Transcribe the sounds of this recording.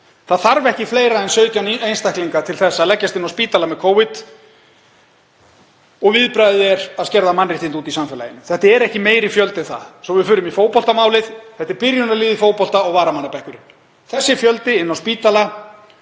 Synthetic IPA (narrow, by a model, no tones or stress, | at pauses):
θaðθaɾvɛhcɪfleːjɾaɛnsœːɥt̪janejnst̪ahkliŋkat̪ʰɪlθɛsːaðlɛcːast̪ɪnːawspiːt̪alamɛðkʰoːwvɪt̪ | ɔɣvɪðpɾajðɛɾaðscɛɾðamanːɪ̥t̪ɪnt̪uːt̪isamfɛla̰jɪnːɪθɛht̪aɛɾɛhcɪmeːjɾifjœlt̪ɪθa̰ðsɔvɪfʏːɾʏmifoːwpɔlt̪amaːwlɪð̥θɛht̪ɛɾpɪɾjʏnaliːðɪfoːwpɔl̥t̪aɔɣvaːɾamanːapɛhkʏɾɪn | θɛsːɪfjœlt̪ɪɪnːawspiːt̪ala